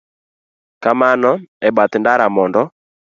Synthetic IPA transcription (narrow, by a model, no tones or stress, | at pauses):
kamanɔɛbat̪ɪndaɾamɔndɔ